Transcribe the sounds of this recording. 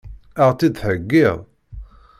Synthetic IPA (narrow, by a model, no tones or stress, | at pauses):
aʁt͡s̪ːid̪ħəɡːɪðˤ